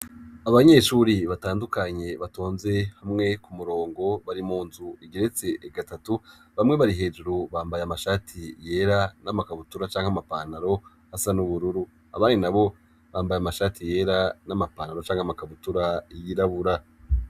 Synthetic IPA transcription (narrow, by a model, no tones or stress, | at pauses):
aβaɲe̞ːʃuːɾiβataːndukaɲe̞βatoːnze̞hamŋe̞kumuɾo̞ːŋɡo̞βaɾimuːnzuiɡeɾet͡se̞ʔːɡatatuβamŋe̞βaɾiɦe̞ːd͡ʒuɾuβaːmbajamaʃaːtʰije̞ːɾanamakaβutuɾat͡ʃaːŋhamapanaɾo̞ | hasanuβuɾuɾu | a̰βaːninaβo̞ | βaːmbajamaʃaːtʰije̞ɾanamapaːnaɾo̞t͡ʃaːŋhamakaβutuɾaijiɾaβuɾa